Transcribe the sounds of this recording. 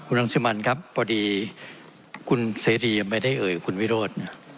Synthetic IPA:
kʰu˧na˧˥˩ŋsiː˧˦ma˧nkʰa˦˥p̚ːɔː˧diː˧ | kʰu˧nseː˨˦ɾiː˧ma˥˩jda˥˩jʔɤː˨˩jkʰu˧nwi˦˥ɾoː˥˩t̪̚na˥˩

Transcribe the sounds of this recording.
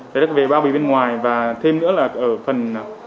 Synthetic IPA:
a˨˩zə˦˥ve˨˩ɓaː˧wɓḭ˨˧˨ɓe˧nŋwaː˨˩jvaː˨˩t̪ʰe˧mnɨ̰˧˥əlaː˨˩ʔəː˧˩fə˨˩n

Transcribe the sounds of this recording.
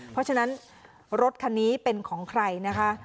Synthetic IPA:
pʰɔ˦˥t͡ɕʰa˧na˦˥n | ɾo˦˥t̪̚kʰa˧nːiː˦˥pe˧nkʰɔː˩˦ŋkʰɾa˧jna˦˥kʰa˦˥

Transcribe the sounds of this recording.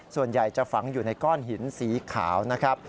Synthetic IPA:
su˨˩ənja˨˩jt͡ɕa˨˩fa˩˦ŋjuː˨˩na˧jkɔː˥˩nɦi˩˦nsiː˩˦kʰa̰ː˩˦wna˦˥kʰɾa˦˥p̚

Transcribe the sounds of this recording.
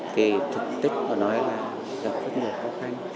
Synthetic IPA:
ke˨˩t̪ʰɨ˨˩k̚t̪i˦˥k̚mː˨˩nɔ˨˦jlaː˨˩ | ka˨˩p̚zə˦˥ŋɨ˨˩əxɔ˨˦xa˧ŋ

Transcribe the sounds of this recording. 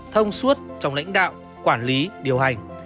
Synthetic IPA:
t̪ʰə˧wŋ͡msu˦˥t̚t͡ɕɔ˧wŋ͡mla̰˧˥jŋ̟ɗa̰ː˧˨w | kwaː˧˩nli˨˦ɗi˨˩əwɦa˨˩jŋ̟

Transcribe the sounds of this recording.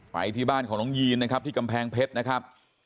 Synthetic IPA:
pa̰˧jt̪ʰiː˥˩baː˥˩nkʰɔː˩˦nɔː˦˥ŋjiː˧nːa˥kʰa˦˥p̚t̪ʰiː˥˩ka˧mpʰɛː˧ŋpʰe˦˥t̪̚na˦˥kʰa˦˥p̚

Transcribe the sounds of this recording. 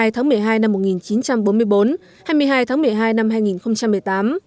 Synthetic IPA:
jt̪ʰaː˨˦ŋmɨ˨˩əjɦaː˧jna˧mːo˨˩t̚ŋi˨˩nt͡ɕi˨˦nt͡ɕa˧mɓo˨˦nmɨ˧əjɓo˨˦n | haː˧jmɨ˧əjɦaː˧jt̪ʰaː˨˦ŋmɨ˨˩əjɦaː˧jna˧mɦaː˧jŋi˨˩nxə˧wŋ͡mt͡ɕa˧mːɨ˨˩jt̪aː˨˦m

